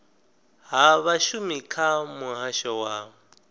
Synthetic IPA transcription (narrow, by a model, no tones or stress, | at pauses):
ɦaβaʃumikʰamuɦaʃɔwa